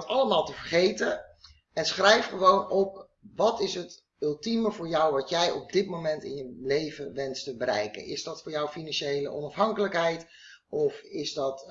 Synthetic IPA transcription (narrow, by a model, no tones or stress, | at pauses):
tɑləmaːlˠtəvəɹχejtə | ɛnsχrɛjfχəʋownɔp̚ | ʋɑtɪsɦət | ʏlˠtiməvʊːɹjɔwʋɑtjɛjɔb̚dɪtmomɛntɪ̰njəlejvəʋɛnstəbəɾɛ̰jkə̰nɪ̰zdɑtfʊːɹjɔwfinɑnʃejlə̰ʔɔ̰nɑfɦɑŋkələkɦɛjt | ɔfɪzdɑt